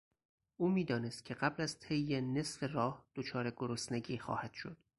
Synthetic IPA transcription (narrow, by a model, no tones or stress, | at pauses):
ʔuːmiːd̪ɒːne̞st̪̚cʰe̞ɢæblæzt̪ʰejːene̞sfe̞rɒːhd̪̥ot͡ʃʰɒːɾe̞ɡoɾosneɟiːxɒ̰ːhæd̪̥ʃo̞̰d̪̥